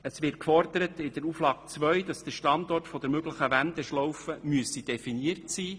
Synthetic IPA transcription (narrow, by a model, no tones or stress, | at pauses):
əsʋɪrt̚kfɔrd̪əɾətɪd̪əɾuːflɑːk̚t͡sʋœɥd̥ɑsd̥əʃtɑnd̪ɔrtfɔdəɾmøɡləχəʋænd̪əʃlɔwfəmyəsid̥ɛfiniərtsiː